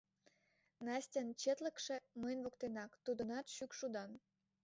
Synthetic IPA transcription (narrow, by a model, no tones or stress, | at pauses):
nɑsʲtʲə̆nt͡ɕet̪lə̆kʃĕməjnβŏkt̪enɑkt̪ud̪ə̆nɑt̪ʃykʃud̪ɑn